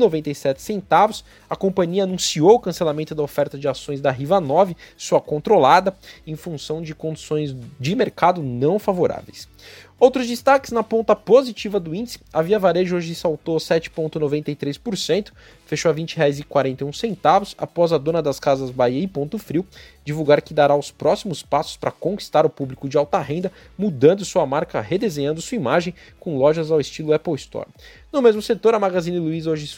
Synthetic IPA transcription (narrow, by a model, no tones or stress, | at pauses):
novẽnt̪ejsɛt͡ʃɪ̥sẽnt̪avʊs | ɐkõpɐ̃ɲiɐːnũsiowʊkɐ̃selamẽt̪ʊd̪ɐofɛɾt̪ɐd͡ʒɪasõj̃zd̪ɐɦivɐnɔvɪsuɐkõnt̪ɾolad̪ɐẽj̃fũsɐ̃w̃d͡ʒɪkõd͡ʒisõj̃zd͡ʒɪmeɾkad̪ʊnɐ̃w̃favoɾa̰vḛjs | owt̪ɾʊzd͡ʒist̪akɪznɐpõnt̪ɐpozit͡ʃivɐd̪ʊĩd͡ʒɪsɪ̥ɐviɐvaɾeʒʊoʒɪsawt̪osɛt͡ʃɪ̥põnt̪ʊnovẽnt̪ejt̪ɾespoɾsẽnt̪ʊ̥ | feʃoavĩnt͡ʃɪɦeajzɪkwaɾẽnt̪ejũsẽnt̪avʊsa̰pɔzɐd̪õnɐd̪ɐskazɐzbaiɐɪpõnt̪ʊfɾiwd͡ʒivuɡaɾkɪd̪aɾaʊspɾɔsimʊspasʊ̥spɾɐkõki̥st̪aɾʊpublikʊd͡ʒɪawt̪ɐhẽnd̪ɐ | mud̪ɐ̃nd̪ʊsuɐmaɾkɐhed̪ezẽɲɐ̃nd̪ʊsuɐimaʒẽj̃ | kõlɔʒɐzawɪst͡ʃilʊɛpowɪst̪ɔ̰ɾ | nʊmezmʊset̪oɾɐmaɡazĩnɐluizoʒɪ